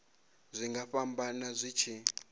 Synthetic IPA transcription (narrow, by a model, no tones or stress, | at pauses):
zʷiŋɡaɸambanazʷiːt͡ʃʰi